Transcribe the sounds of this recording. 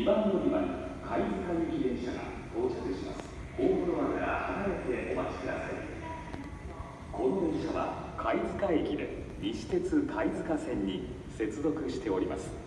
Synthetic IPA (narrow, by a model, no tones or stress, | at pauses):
ɲʲibãnːoɲʲimanokʰaizɨkaekʲid̪ẽ̞ɰ̃ɕaɡa̰t̪o̞ːɕakɯ̟ɕima̰sɨ̥ | oːkɯɾoβakaɾa̰hanaɾe̞t̪e̞ʔo̞mat͡ɕi̥kɯ̟d̪asai | kʰo̞no̞d̪ẽ̞ɰ̃ɕaβa̰kʰaid͡zɨkaekʲid̪e̞̰ | mʲiɕi̥t̪e̞t͡sɨkʰaizɨkasẽ̞ɲ̟ːi | se̞t͡sɨzo̞kɯ̟ɕi̥t̪e̞o̞ɾʲima̰sɨ̥